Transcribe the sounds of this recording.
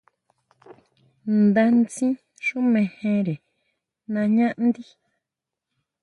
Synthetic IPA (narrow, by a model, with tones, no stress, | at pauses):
nd̪a˧nt͡sĩ˦ | ʂũ˦mẽ˨hẽ˧ɾe˨ | nã˧ɲã˦ʔnd̪i˦